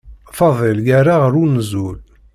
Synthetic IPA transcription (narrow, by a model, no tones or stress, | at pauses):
fɑðˤilɡaɾaʁəɾunzul